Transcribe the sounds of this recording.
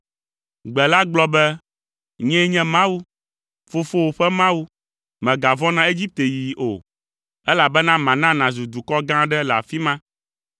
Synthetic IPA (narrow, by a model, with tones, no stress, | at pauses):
ɡ͡bɛ˨la˦ɡ͡blɔ˦bɛ˦ | ɲɛ̃˦ɲɛ̃˦mã˦wu˦ | fo˦fo˦wo˨ɸɛ˦mã˦wu˦ | mɛ̃˨ɡa˨vɔ̃˦nã˦e˦d͡ʑi˦p̚t̪e˨ji˨ʔo̰˨ | ɛ˦la˨bɛ˦nã˦mã˨nã˦nã˨zu˨d̪u˨kɔ˦ɡã˦ɖɛ˦lɛ˨a̰˨fi˦mã˦